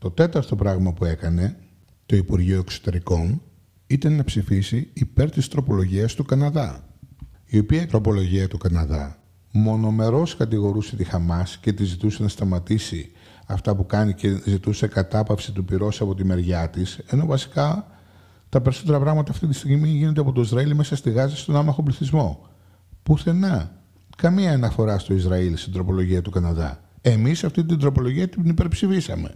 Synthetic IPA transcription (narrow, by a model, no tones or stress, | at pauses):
t̪o̞t̪e̞t̪ɐɾt̪o̞pɾɐɣmɐpue̞kɐne̞ | t̪o̞ipuɾʝioe̞kso̥t̪e̞ɾiko̞n | it̪ɐnːɐpsifisiːpe̞ɾt̪ist̪ɾo̞po̞lo̞ʝiɐst̪ukɐnɐðɐ | io̞piɐit̪ɾo̞po̞lo̞ʝiɐt̪ukɐnɐðɐ̰ | mo̞no̞me̞ɾo̞skɐt̪iɣo̞ɾuse̞t̪ixɐmɐsce̞t̪izit̪use̞nɐst̪ɐmɐt̪isi | ɐft̪ɐpukɐnice̞zit̪use̞kɐt̪ɐpɐfsit̪upiɾo̞sɐpo̞t̪̬ime̞ɾʝɐt̪ise̞no̞vɐsi̥kɐ | t̪ɐpe̞ɾiso̞t̪e̞ɾɐpɾɐɣmɐt̪ɐːft̪it̪ist̪iɣmimiʝine̞d̪eɐpo̞t̪o̞izɾɐilmesɐst̪iɣɐzɐst̪o̞nɐmɐxopliθizmo̞ | puθe̞nɐ | kɐmiɐːnɐfo̞ɾɐst̪o̞izɾɐilst̪ind̪ɾo̞po̞lo̞ʝiɐt̪ukɐnɐðɐ̰ | e̞misɐft̪it̪id̪ɾo̞po̞lo̞ʝiɐt̪inipeɾpsifisɐ̰me̞̰